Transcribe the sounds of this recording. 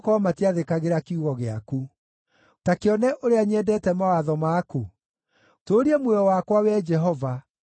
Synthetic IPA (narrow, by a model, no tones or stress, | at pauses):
kwɔamatiaðekaɣeɾakiuɣɔɣeaku | takeɔnɛʔoɾeaɲɛdɛːtɛmawaðɔmaːku | toːɾiɛmwɛɔwakwawɛd͡ʒɛɦɔva